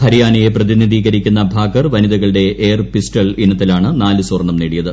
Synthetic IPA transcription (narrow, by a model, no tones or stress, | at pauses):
hɐɾijaːnɐje̞prɐðinid̪iːɣɐɾikʲːunːɐbʱaːɡɐrʋɐniðɐɣɐɭɨɽe̞eːrpisʈɐlinːɐt̪ːilaːɳɨnaːlɨsorɳɐmneːɽijɐðɨ